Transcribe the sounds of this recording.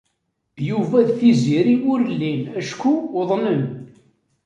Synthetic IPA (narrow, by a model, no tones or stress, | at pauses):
juvæðθiziɾiʊɾlːinæʃkuðˤnəm